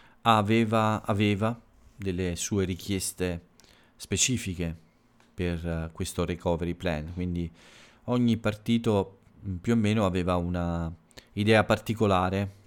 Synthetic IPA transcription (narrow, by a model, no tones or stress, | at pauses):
avɛːvaaveːva | d̪elːesuːeɾikjɛst̪e | spet͡ʃiːfik̟e | perkwest̪orekʰɔːveɾiplɛnkwind̪i | ɔɲːipart̪iːt̪o | pjuemːeːnoavɛːvauna | id̪ɛːapart̪ikolaːɾe